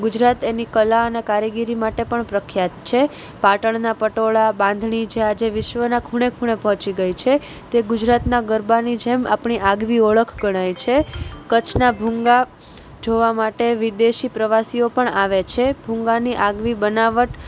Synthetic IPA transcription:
ɡʊd͡ʒɾat̪enikəlaənekaɾəɡiɾimaʈepəɳpɾəkʰjat̪̚t͡ʃʰe | paʈəɳnapəʈoɭabãnd̪ʱɳid͡ʒead͡ʒeʋɪʃʋənakʰuɽekʰuɽ̃epɔ̃t͡ʃiɡəjt͡ʃʰe | t̪eɡʊd͡ʒɾat̪naɡəɾbanid͡ʒema̰pɳiʔaɡʋioɭəkʰɡəɽ̃ajt͡ʃʰekət͡ʃʰnabʱũŋɡa | d͡ʒoʋamaʈeʋɪd̪eʃipɾəʋasiopəɳaʋet͡ʃʰebʱũŋɡaniʔaɡʋibənaʋəʈ

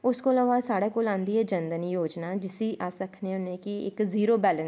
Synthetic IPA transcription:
ʊskoːləʋaːsaːɽeːkoːlãːnd̪iːɛːd͡ʒənd̪əniːjoːd͡ʒnaːd͡ʒɪsiːʔaːsəkʰneːʊnːẽːkɪɪ̰kziːɾoːbɛːləns

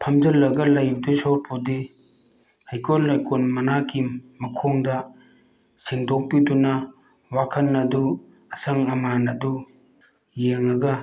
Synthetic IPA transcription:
pʰɐmd͡ʒɐlːɐɡɐlɐjbdusɔɾpʰodi | hajkolːɐjkʰonmɐnakʰimɐkʰoŋdɐ | siŋdok̚pidunɐ | wakʰɐnːɐdu | ɐsɐŋɐmanɐdu | jeŋɐɡɐ

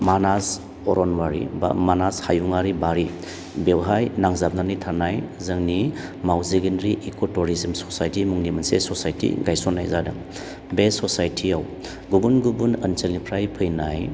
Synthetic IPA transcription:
manas | ɔɾɔnwaɾḭmanashajuŋaɾibaɾi | bewɦajnaŋzab̚nanitʰaɾnajzɯŋnimawziɡindɾiʔikotuɾizimsɔ̥sajtimuŋnimɐnsḛsɔsajtʰḭɡajsɔnːajzadɐ̰ŋ | besɔsajtʰiaw | ɡubunɡubunənselnipʰɾajpʰɯjnaj

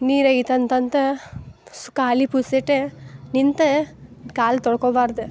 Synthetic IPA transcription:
niːɾɐjt̪ɐnt̪ɐnt̪ɐ | skaːlipuseʈenint̪ɐkaːlt̪ɔɽɐkobaːɾd̪ɐ

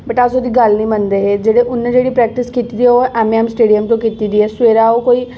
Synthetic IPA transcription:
bəʈasod̪iːɡəlnəĩmbənd̪eɦed͡ʒeːɽeʔʊnːə̃d͡ʒeːɽipɾɛːk̚ʈɪskiːt̪id̪ioʔɛːmɛːmsʈeːɖijəmt̪õkiːt̪id̪iːɦɛːsʊʋeːɾaokoːiː

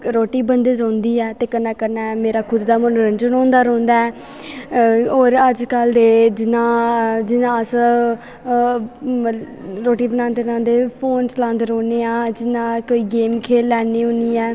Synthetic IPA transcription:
ɾoːʈiːbənd̪eːɾãːnd̪iːɛːt̪eːkənːaːkəɾnaːmeːɾaːkʰʊd̪ːaːmənɾənd͡ʒənõːnd̪aːɾõːnd̪aːɛː | oːɾəd͡ʒkəld̪eːd͡ʒɪnãːd͡ʒɪnãːəs | ɾoːʈiːbənaːnd̪eːɾãːnd̪eːpʰoːnslãːnd̪ɾoːneːãːd͡ʒɪnãːkoːiːɡeːmkʰeːlːɛːneːʊ̃niːɛː

